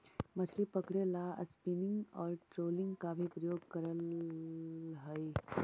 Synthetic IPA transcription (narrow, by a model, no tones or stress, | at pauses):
mɐt͡ʃʰlipɐkɽelaɐ̰spinɪ̃ŋɡɔːɾʈɾoːlɪ̃ŋɡkabʱipɾɐjoːɡkɐɾəl | ɦəi